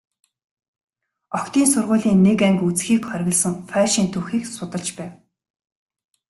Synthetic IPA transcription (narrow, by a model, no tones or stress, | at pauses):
ɔkt̪iːnsʊrʁʊːɮiːnːekæŋkut͡sxiːkχœɾʲɣʲə̆ɮsə̆ŋfæːʃiːnt̪ʰuːxiːksʊt̪ə̆ɮt͡ɕpæːw